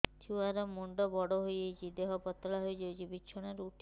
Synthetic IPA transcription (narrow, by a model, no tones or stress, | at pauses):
t̪ʰuaɾɔmuɳɖɔbɔɽɔɦojejt͡ʃʰid̪eɦɔpɔt̪ːɭaɦojd͡ʒɔjt͡ʃʰibit͡ʃʰɔɽ̃aɾuʈʰ